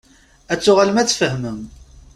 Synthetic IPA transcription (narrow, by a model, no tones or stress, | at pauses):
æt͡sːʊʁalmæt͡sːfəhməm